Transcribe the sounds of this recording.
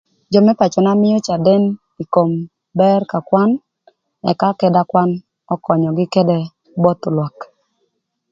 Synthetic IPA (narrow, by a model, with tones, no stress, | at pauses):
d͡ʒɔ˨mɛ˦pa˨t͡ʃɔ˨na˦mɪ˦ɔ˦t͡ʃa˨dɛ˦n | i˨ko˨m | bɛ˦rka˨kwa˦n | ɛ̰˨ka˦kɛ˦da˦kwa˦n | ɔ˦kɔ˨ɲɔ˨ɡɪ˦kɛ˦dɛ˦ | bɔ˦t̪lwa˨k